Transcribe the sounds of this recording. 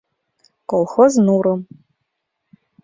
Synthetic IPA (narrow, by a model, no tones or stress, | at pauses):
kʼɔlˠxoznuːɾɨm